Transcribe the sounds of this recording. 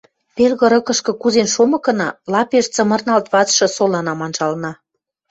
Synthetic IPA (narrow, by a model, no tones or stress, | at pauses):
pelɣə̆ɾɤ̆kɤ̆ʃkɤ̆kuzenʃomɤ̆kɤ̆nɑlɑpeʃt͡sə̆mə̆rnɑlt̪βɑt͡sʃɤ̆solɑnɑmɑnʒɑlnɑ